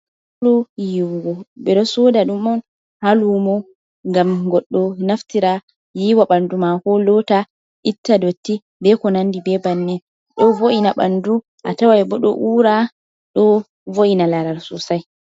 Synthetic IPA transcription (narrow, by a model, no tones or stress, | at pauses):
lujiwuɡɔɓɛɗɔsɔdaɗumɔn | halumɔ | ŋɡamɡɔɗːɔnaftiɾa | jiwaɓandumakɔlɔta | ʔitːadotːi | bɛkɔnandibɛbanːɛ | ɗɔvoʔinaɓa̰ndu | ʔatawajbɔɗɔ̰ʔuɾa | ɗɔ | voʔinalaɾalsusaj